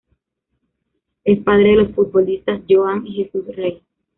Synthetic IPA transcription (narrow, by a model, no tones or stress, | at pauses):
espað̞ɾeðelo̞sfut̪̚bolist̪asd͡ʒoaŋixesusrej